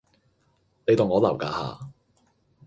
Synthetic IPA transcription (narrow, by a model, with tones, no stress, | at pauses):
ne˨˧jt̪o˨˩ŋɔː˨˧lɐ˨˩wka̰ː˨˥ha̰ː˨˧